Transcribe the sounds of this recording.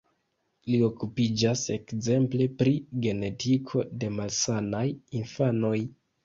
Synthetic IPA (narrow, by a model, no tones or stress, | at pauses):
lio̞kupid͡ʒase̞kze̞mple̞pɾiɡe̞ne̞tʰikʰo̞de̞malsanajinfano̞j